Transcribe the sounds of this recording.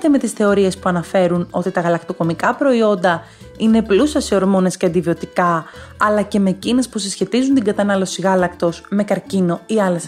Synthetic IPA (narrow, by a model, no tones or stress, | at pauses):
t̪eme̞t̪isθe̞o̞ɾie̞spuɐnɐfe̞ɾuno̞t̪it̪ɐɣɐlɐkt̪o̞ko̞mikɐpɾo̞io̞nd̪ɐ | ine̞plusɐsio̞ɾmo̞ne̞sceɐnd̪ivio̞t̪ikɐɐlɐce̞me̞ːcine̞spusisçe̞t̪izunt̪iŋɡɐt̪ɐnɐlo̞siɣɐlɐkt̪o̞sme̞kɐɾcino̞iɐles